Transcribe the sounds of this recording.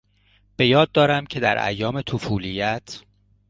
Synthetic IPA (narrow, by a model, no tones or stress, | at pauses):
b̥e̞jɒːd̪̚ːɒːɾæmcʰe̞d̪æɾʔæ̰jːɒːme̞t̪ʰofuːlijæt̪ʰ